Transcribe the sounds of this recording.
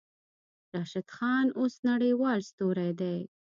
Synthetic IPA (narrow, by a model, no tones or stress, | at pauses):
ɾɑʃɪd̪xɑnosnaɽəjwɑlst̪oɾajd̪aj